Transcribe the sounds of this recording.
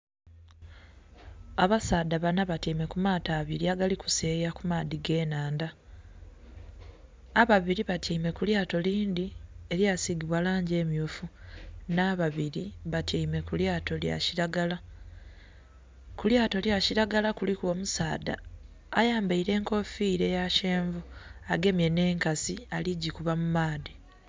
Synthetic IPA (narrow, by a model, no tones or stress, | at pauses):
aβasaːd̪aβanaβatime̞kumaːtaːβiɾiaɡaliku̥seːjakumad̪iɡe̞ːnaːnda | βaβiɾiβatʰiːme̞kuljaːto̞liːnd̪ieβjaːsiɡiβwalaːɲɟe̞ːmjofunaβaβiɾiβatjaime̞kuljaːto̞lja̰ciɾaɡala | kuljaːto̞ljaciɾaɡalakulikuo̞ːmusaːda̰ː | jaːmbaiɾe̞ːŋko̞fiːɾe̞jaʃe̞ːɱvuaɡe̞mje̞ne̞ːŋkasialiɟikuβamumaːd̪i